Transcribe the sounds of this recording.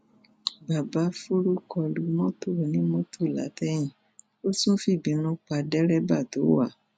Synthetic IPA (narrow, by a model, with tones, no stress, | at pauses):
ba˨ba˨˦fu˦ɾu˦kɔ˧lu˧mɔ̃˦to˦˨nĩ˨˦mõ˦tʰo˦˨la̰˨˦tɛ˦j̃ĩ˦˨ | o˦sũ˦fi˦˨bĩ˨˦nũ˦k͡pa˧dɛ˦ɾɛ˦ba˦˨to˨˦wa˦˨